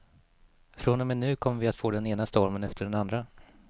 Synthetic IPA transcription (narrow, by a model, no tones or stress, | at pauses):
fɾonɔmɛnːʉ̟ːkʰɔmːəvɪat̪foːd̪ɛneːnast̪ɔɾmənɛft̪əɖɛnand̪ɾa